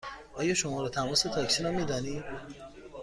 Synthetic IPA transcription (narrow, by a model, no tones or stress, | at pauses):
ɒːjɒːʃomɒːɾɔːt̪ʰæmɒːset̪ʰɒːksiɾɒːmiːd̪ɒːniː